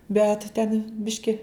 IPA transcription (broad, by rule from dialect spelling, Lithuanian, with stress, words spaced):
bʲɛt tʲɛn ˈbʲɪʃʲkʲɪ